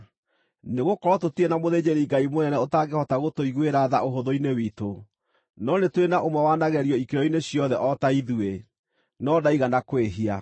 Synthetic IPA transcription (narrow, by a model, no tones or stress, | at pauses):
neɣokɔɾɔtotienamoðed͡ʑeɾiŋɡaimonɛnɛotaɡehɔtaɣotoiɣweɾaða̰ʔoɦoðoinewito | nɔnetwenaʔomwɛwanaɣɛɾiɔikeɾɔineɕijɔðɛʔɔtaiðue | nɔdaiɣanakweɦia